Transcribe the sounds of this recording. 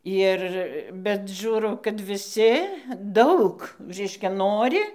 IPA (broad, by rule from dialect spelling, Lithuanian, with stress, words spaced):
ˈɪr bʲɛt ˈʒʲuːrɐʊ kɐt ʋʲɪˈsʲɪ ˈdɐʊk ˈrʲɛɪʃʲkʲɛ ˈnoːrʲɪ